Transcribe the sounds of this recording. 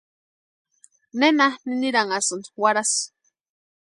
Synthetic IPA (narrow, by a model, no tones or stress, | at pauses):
nenaniniɾaŋasɨnwaɾas